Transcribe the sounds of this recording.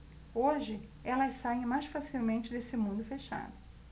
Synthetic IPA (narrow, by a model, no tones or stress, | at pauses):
oʒɪ | ɛlɐsaẽj̃majsfasiwmẽnt͡ʃɪd̪esɪmũnd̪ʊfeʃa̰d̪ʊ